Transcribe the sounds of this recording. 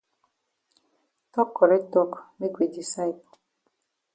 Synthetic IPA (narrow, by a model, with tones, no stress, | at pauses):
tɔ˦kːɔ˨ɾɛ˦tɔ˦kme˦kwe˨di˨sa˦i˨pɔ˨